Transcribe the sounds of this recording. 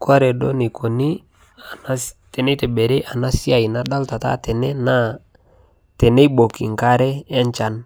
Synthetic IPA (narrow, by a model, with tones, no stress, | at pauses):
kwa˦ɾɛ˨do˦ni˨kʰo˨ni˦˨˦ | tɛ˨ne˦tɛ˨be˨ɾe˦ʔa˨na˦si˦a˨i˨na˦da˦lta˨ta̰˦tɛ˨nɛ˦na˦ | tɛ˨ne˦jbo˨kḭ˨ŋka˦ɾɛ˦ɛ˦ɲt͡ʃa˨n